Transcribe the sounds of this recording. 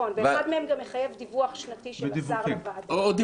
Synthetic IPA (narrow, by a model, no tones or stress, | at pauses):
onveχad̪meemɡamjeχajevd̪ivuaχʃnat̪iʃeeivaʁivad̪ood̪i